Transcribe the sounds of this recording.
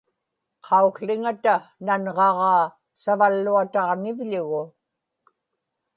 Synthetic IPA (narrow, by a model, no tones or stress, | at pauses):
qʰɑuxɬɪŋat̪ananʁɑʁɑː | savalːuat̪ɑʁnɪvʎʊɣʊ